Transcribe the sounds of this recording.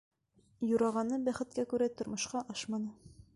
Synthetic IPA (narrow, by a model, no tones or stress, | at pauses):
juɾɑʁɑnɤbæχɘ̆t̪̚kækʉɾæt̪ŏɾmŏʃqɑʔɑʃmɑnɤ